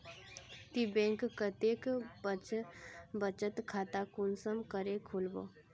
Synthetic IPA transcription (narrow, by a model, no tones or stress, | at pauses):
t̪ibẽːŋkkət̪eːkbət͡ʃbət͡ʃət̪kʰaːt̪akunsəmkəɾekʰulbo̰ː